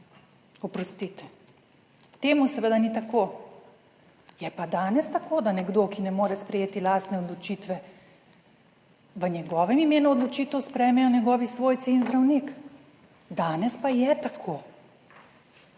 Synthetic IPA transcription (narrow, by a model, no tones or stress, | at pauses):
ɔpɾɔst̪it̪ɛ | t̪eːmusɛʋeːd̪anit̪ako | jɛpad̪aːnɛst̪akoːd̪anɛɡd̪oːkinɛmoːɾɛspɾɛjeːt̪ilaːst̪nɛɔd̪lɔt͡ʃiːt̪ʋɛ | ʋənjɛɡɔːʋɛmimeːnuɔd̪lɔt͡ʃit̪ɛwspɾɛjmɛjɔnjɛɡɔːʋisʋoːjt̪siːnzd̪ɾawnik | d̪aːnɛspajɛt̪akʰoː